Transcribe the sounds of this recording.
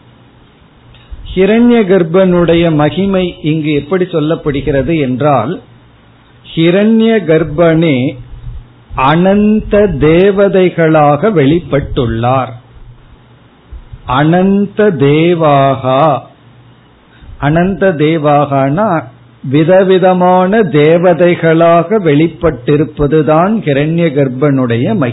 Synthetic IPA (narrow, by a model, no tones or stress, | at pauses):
hɪɾɐɳjɐɡɐɾbɐnɯɽɐjɐmɐɣɪmɐɪʔɪŋɡɯɛpːɐɽisɔlːɐpːɐɽɯɣɪrɐðɯɛndraːl | hɪɾɐnjɐɡɐɾbɐneː | ɐnɐnd̪ɐd̪eːʋɐðɐɪɣɐɭaːɣɐʋɛɭɪpːɐʈːɯɭːaːɾ | ʔɐnɐnd̪ɐd̪eːʋaːɣaː | ʔɐnɐnd̪ɐd̪eːʋaːɣaːnaː | ʋɪðɐʋɪðɐmaːnɐd̪eːʋɐðɐɪɣɐɭaːɣɐʋɛɭɪpːɐʈːɪɾɯpːɐðɯðaːnhɪɾɐɳjɐɡɐɾbɐnɯɽɐjɐmɐɪ